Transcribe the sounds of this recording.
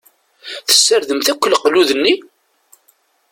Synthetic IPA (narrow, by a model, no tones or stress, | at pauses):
θə̥sːəɾðəmθækʷːəlqluðənːi